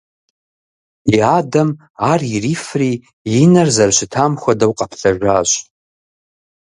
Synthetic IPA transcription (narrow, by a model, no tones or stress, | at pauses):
iadam | aririfriː | narzarʃʷɪtʰamχʷadawqʼapʰɬaʒᶣʷaɕʷʼ